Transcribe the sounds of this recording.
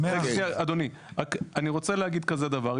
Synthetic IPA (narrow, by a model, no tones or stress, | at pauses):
eʃniaad̪oni | ʁakaniʁo̞t͡selehaɡid̪kaze̞d̪avaʁ